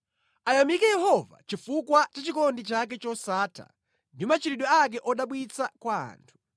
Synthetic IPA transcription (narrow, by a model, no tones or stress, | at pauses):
ajamikɛjɛɦɔva̰t͡ʃifukwat͡ʃat͡ʃikɔndit͡ʃak̬ɛt͡ʃɔsaːtʰa̰ | ndimat͡ʃiɾiɗɔak̬ɛʔɔɗaɓwit͡sʰakwaa̰ːntʰu̥